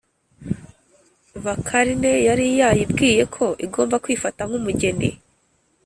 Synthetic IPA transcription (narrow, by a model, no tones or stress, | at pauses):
βakʰaɾine̞jaɾijajibɡiːje̞kʰo̞ʔiɡo̞ːmbakwiːfataŋ̥umuɟe̞ndḛ